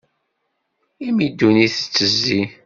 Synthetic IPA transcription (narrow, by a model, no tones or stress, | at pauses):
imid̪ːuniθə̥t͡sːəzːi